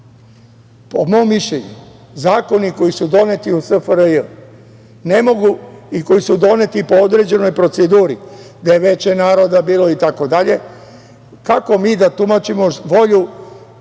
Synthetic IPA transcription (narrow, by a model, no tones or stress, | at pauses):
pomo̞ːmːiʃʎe̞ɲu | zaːko̞niko̞jisud̪o̞ne̞t̪iusəfəɾəj | ne̞mo̞ɡuiko̞jisud̪o̞ne̞t̪ipo̞od̪ɾe̞d͡ʑe̞no̞jpɾo̞t̪sed̪uːɾi | d̪ajeʋe̞t͡ɕenaːɾo̞d̪abiːlˠo̞it̪ako̞d̪aʎe̞ | kako̞miːd̪at̪umat͡ʃimo̞ʋo̞ʎu